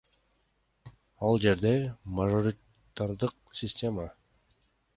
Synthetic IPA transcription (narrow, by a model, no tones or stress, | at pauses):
ɑlˠd͡ʒe̞ɾd̪e̞maʒo̞ɾʲɪ | t̪aɾd̪ɯq̚ | sʲɪsʲtʲe̞ma